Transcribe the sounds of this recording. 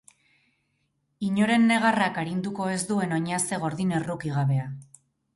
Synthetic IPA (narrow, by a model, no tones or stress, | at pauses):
iɲo̞ɾe̞nːe̞ɣ̞arakaɾind̪uko̞e̞zd̪ue̞no̞ɲase̞ɣ̞o̞ɾðine̞rukiɣ̞aβe̞a